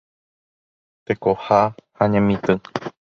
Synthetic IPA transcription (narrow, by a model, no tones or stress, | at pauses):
t̪ekohahaɲẽmĩt̪ɨ̃